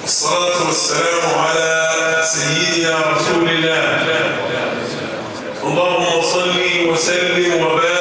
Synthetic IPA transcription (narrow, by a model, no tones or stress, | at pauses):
wʔɑsˤːɑlɑːt̪wɑsːalaːmʕalaːsajːɪd̪ɪnaɾˤɑsuːlɪlːaːɪlːaː | ʔɑlˤːɑːhʊmːɑsˤɑlːiːwasalːɪmwabaː